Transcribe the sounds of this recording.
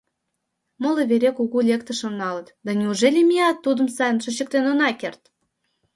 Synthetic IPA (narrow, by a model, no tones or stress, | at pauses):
molə̆βeɾekuɣulʲekt̪əʃonːɑlət̪d̪ɑnʲiuʒelʲimʲiɑt̪ːud̪ə̆msɑjənʃŏt͡ɕə̆k̚t̪enonɑkert̪